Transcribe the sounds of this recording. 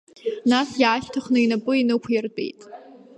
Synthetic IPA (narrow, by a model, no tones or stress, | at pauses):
nasjaːʃtʰaχnɨinapʼɨinɨkʷʰjɪrtʼḛjtʼ